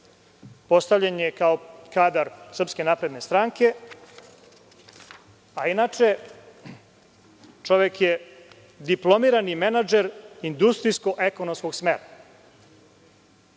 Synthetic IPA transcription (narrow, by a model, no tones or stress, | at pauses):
po̞st̪aʋʎaɲekaokaːd̪aɾsər̩pske̞naːpɾe̞d̪ne̞st̪ɾaːŋke̞ | ainat͡ʂe̞ | t͡ʂo̞ʋjekje | d̪iplo̞miːɾanimenad͡ʒeɾind̪ust̪ɾijsko̞ʔekonomsko̞ɡsmḛɾa